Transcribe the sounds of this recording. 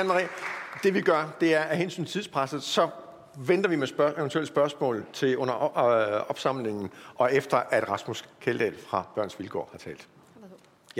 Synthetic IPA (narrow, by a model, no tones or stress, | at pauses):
æmʁid̥e̝ʋiɡ̥ɶɐd̥e̝æɐæɦensy̰ːnt͡sʰt͡sʰiðˠspʰʁasð̩ˠsɒ̽ | ʋend̥ɐʋimeseənt͡sʰuel̰̥sb̥ɶɐsmɔ̰̽ːlt͡sʰe̝ɔ̽n̰ɐ | ɒ̽b̥sɑ̈m̰le̝ŋn̩ʔɒ̽efd̥ɐʔæd̥ʁɑ̈smuskʰeld̥ɛ̰ːlfʁɑ̈b̥ɶɐ̰nsʋilɡʰɒ̰ːhɑ̈t͡sʰɛ̰ːld̥